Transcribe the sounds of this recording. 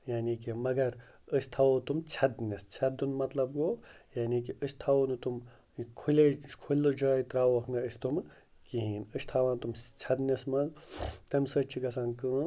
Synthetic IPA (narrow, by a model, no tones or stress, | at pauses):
jaːnikimɐɡɐɾ | əsʲt̪ʰɐʋot̪umt͡sʰɐd̪nʲɐst͡sʰɐd̪unmɐt̪lɐbɡoːjaːnikiʔəst̪ʰaʋonut̪um | kʰulekʰulʲːud͡ʒaːit̪ɾaːʋɐkʰnɐəsʲt̪um | kiɦiːnəsʲt̪ʰɐʋãːnt̪umt͡sʰɐd̪nʲɐsmɐnzt̪ɐmsət͡ʃʰiɡɐsãːnkɨ